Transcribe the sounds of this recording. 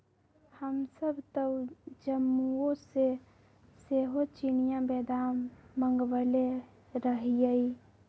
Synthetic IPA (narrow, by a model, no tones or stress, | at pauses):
həmsəbt̪əwd͡ʒəmːuose | seɦot͡ʃinijãbɛd̪aːmːəŋɡwəle | ɾəɦijəi